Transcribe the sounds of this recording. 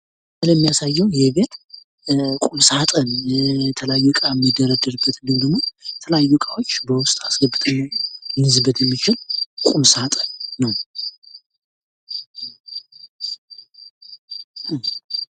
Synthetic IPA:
sɨləjmːijasajːɛwjɛβe̞t̪ | kʼumsat̪ʼənjɛt̪ʰəlajukʼamːɨd̪ːəɾad̪əɾɨbːət̪ɡɨnd̪əɡmoɛt̪ʰələajːukʼawo̞t͡ʃːbəwʊst̪ʼasɡəbːɨt̪ʼɨnːumɨnɨzɨbət̪jɛmːit͡ʃɪlkʼumsat̪ʼənːəw

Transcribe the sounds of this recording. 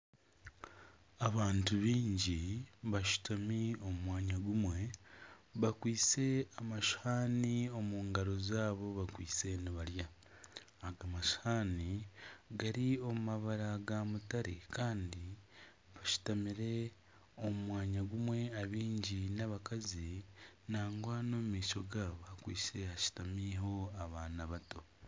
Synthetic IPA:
aβaːntuβiːɲɟiβaʃu̥tʰamio̞mumwaːɲaɡumwe̞ | βakwiːt͡se̞amaʃhaːnio̞muːŋɡaɾo̞zaːβo̞βakwḭːt͡se̞niβaɾjaː | ɡamaʃhaːniɡaɾio̞mumaβaɾaɡamutaɾḛkʰaːndi | βaʃu̥tamiɾe̞ | omumwaːɲaɡumwe̞aβiːɲɟinaβakazinaːŋɡwanomumiːʃo̞ɡaβakwḭːt͡se̞haʃu̥tamiɦo̞aβaːnaβato̞

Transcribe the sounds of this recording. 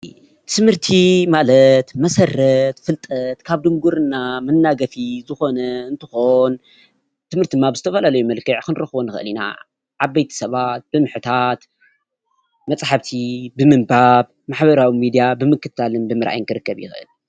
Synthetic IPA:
t̪ʰɨmɨɾt̪ʰimalɐt̪mɐsɐrːɐt̪fɨlt̪ʼɐt̪kʰaβd̪ɨŋɡuɾɨnːamɨnːaɡɐfizɨxo̞nɐɨnt̪ʰɨxo̞n | t̪ʰɨmhɨɾt̪ʰid̪ɨmːabɨzɨt̪ʰɐfɐlalɐjumɐlkʰɨʕkɨnɨɾɐxβonɨxʔɨlina̰ | ʕaβːɐjt̪ʰi̥sɐβat̪̚b̥ɨmɨħt̪ʰat̪ | mɐt͡sʼħaβt̪ʰibɨmɨnbaβ | maħbɐɾawimid̪ijabɨmɨkːɨt̪ʰalɨnbɨmɨɾʔa̰jŋkʰɨɾɨkːɐβjɪ̰xʔɨ̰l

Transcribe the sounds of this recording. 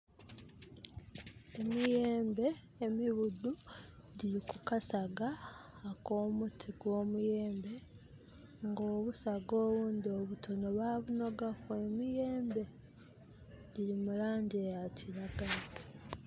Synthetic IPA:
e̞mije̞ːmbe̞ː | miβuduɟiɾikukasaɡaːko̞ːmutʰiɡwo̞ːmuje̞ːmbe̞ | ŋɡoːβusaɡo̞ːβuːndio̞βutono̞βaːβuno̞ɡakue̞mije̞ːmbe̞ | ɟiɾimulaːɲɟejaciɾaɡalo

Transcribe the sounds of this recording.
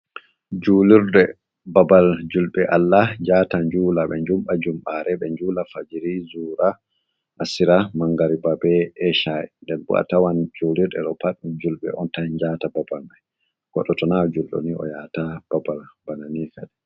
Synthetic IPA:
d͡ʒuliɾɗɛ | babald͡ʒulɓɛʔalːaɲd͡ʒaːtaɲd͡ʒuːlaɓɛɲd͡ʒumɓad͡ʒumɓaɾɛɓɛɲd͡ʒuːlafad͡ʒiɾizuːɾa | ʔasiɾamaŋɡaɾibabɛɛʃaɛ̰ndɛnbṵʔa̰tawand͡ʒuliɾɗɛɗɔpaɗud͡ʒulɓɛ̰ʔɔntad͡ʒaːtababalɓɛ | ɡ̥ɔɗɔtɔnad͡ʒulɗɔ̰niɔ̰jatab̥abalbananifɛɗɛ

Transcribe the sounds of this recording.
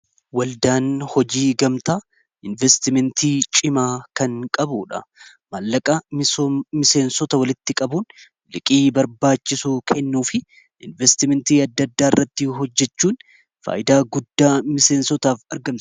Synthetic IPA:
wɐld̪aːnhɔd͡ʒiːɡɐmt̪aː | ɪnvɛst̪ɪmɛnt̪iːt͡ʃʼɪmaːkɐŋkʼɐbuːᶑɐ̰ | mɐlːɐkʼɐ | mɪse̞ːnsɔt̪ɐwɐlɪt̪ːɪkʼɐbuːn | lɪkʼiːbɐɾbaːt͡ʃːɪsuːkʰɛnːuːfɪ | ʔɪnvɛst̪ɪmɛnt̪iːɐd̪ːɐd̪ːaːɪrːɐt̪ːɪɦɔd͡ʒːɛt͡ʃːuːn | fa̰ːjɪd̪aːɡʊd̪ːaːmɪse̞ːnsɔt̪aːfɐɾɡɐmt̪ɐ̥

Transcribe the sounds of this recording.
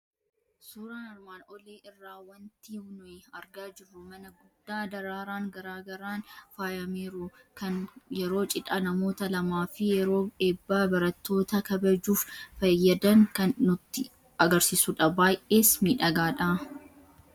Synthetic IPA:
suːɾaːnɪɾmaːnʔɔleːʔɪrːaːwɐnt̪iːhʊnʊɛɐɾɡaːd͡ʒɪrːʊmɐnɐɡʊd̪ːaːd̪ɐɾaːɾaːŋɡɐɾaːɡɐɾaːnfaːjɐmeːɾu | kɐnjɛɾo̞ːt͡ʃʼɪᶑɐnɐmo̞ːt̪ɐlɐmaːfɪjɛɾo̞ːe̞ːbːaːbɐɾɐt̪ːo̞ːt̪ɐkɐbɐd͡ʒuːffɐjːɐd̪ɐŋkɐnːʊt̪ːɪ | ɐɡɐɾsɪsʊᶑɐbaːjʔe̞ːsmiːᶑɐɡaːᶑa

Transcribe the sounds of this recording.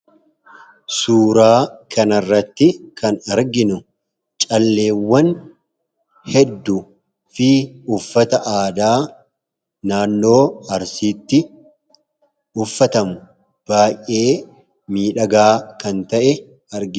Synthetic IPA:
suːɾaːkʰɐnɐrːɐt̪ːɪkɐnɐɾɡɪnʊ | t͡ʃʼɐlːe̞ːwːɐn | hɛd̪ːʊ | fɪʊfːɐt̪ɐʔaːd̪aː | naːnːo̞ːɐɾsiːt̪ːɪ | ʊfːɐt̪ɐmʊ | b̥aːjːe̞ː | miːᶑɐɡaːkɐnt̪ɐʔɛ | ɐɾɡɪ

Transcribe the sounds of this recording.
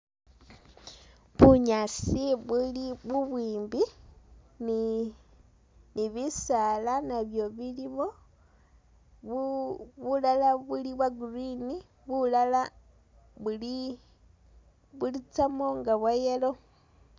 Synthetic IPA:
βuɲasiβuliβuβwiːmbi | ni | niβisalanaβjo̞βiliβo̞ | βulalaβuliβwaɡurini | βulala | βuli | βulit͡samoŋɡaβwajelo̞

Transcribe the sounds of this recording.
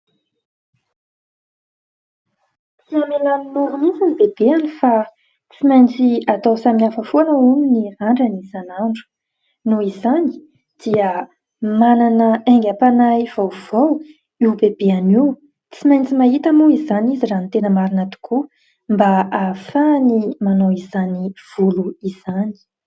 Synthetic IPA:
t͡siamelaninuɾunisinibeb̥eanifa | t͡simajnt͡siat̪awsaminafəfuanauniniaɳɖ͡ʐənizanaɳɖ͡ʐu̥ | nuizani̥ | d̪̥iə | mananəeŋɡʲapanajv̥awv̥aw | iwbeb̥eaniw | t͡simajnt͡simaɦit̪amuizanizirant̪enəmaɾinat̪u̥kʰu | mbaafanimanoizaniv̥uluiz̥ani̥

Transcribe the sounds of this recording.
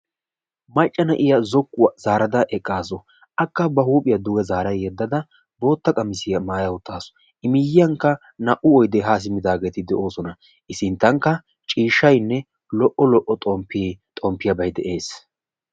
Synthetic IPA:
mɐt͡ʃʼːɐnɐʔɪjɐzɔkːʊwɐzaːɾɐd̪ɐʔɛkʼːaːsɔ | ʔɐkːɐbɐhuːpʼɪjɐd̪ʊɡɛzaːɾɐjjɛd̪ːɐd̪ɐ | bo̞ːt̪ːɐkʼɐmɪsɪjɐmaːjɐwʊt̪ːaːsɔ̥ | ʔɪmɪjɪjɐŋkːɐ | nɐʔʊɔjd̪ɛɦaːs̬ɪmɪd̪aːɡe̞ːt̪ɪd̪ɛʔo̞ːsɔnɐ | ʔɪsɪnt̪ːɐŋkːɐ | t͡ʃʼiːʃːɐjnːɛ | lɔʔɔlɔʔɔt̪ʼɔmpːt̪ʼɔmpːɪjɐbɐjd̪ɛʔe̞ːs

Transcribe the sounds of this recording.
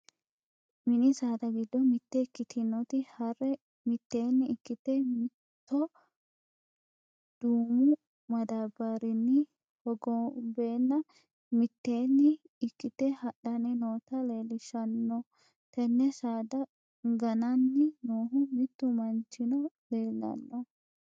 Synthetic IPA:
mɪnɪsaːd̪ɐɡɪd̪ːɔmɪt̪ːɛɪkːɪt̪ʰɪnɔt̪ɪhɐrɛ | mɪt̪ːeːnːɪɪkːɪt̪ɛmɪ | t̪ːɔ | d̪̥uːmʊ | mɐd̪abɐɾɪnːɪ | hɔɡɔbe̞ːnːɐ | mɪt̪ːe̞ːnːɪː | kːɪt̪ɛhɐɗɐnɪnoːt̪ɐle̞ːlɪʃɐnːɔ | t̪ɛnːɛsaːd̪ɐ | ɡɐnɐnːɪnoːɦʊmɪt̪ːʊmɐnt͡ʃːɪnɔ | leːlːɐ̰nːɔ

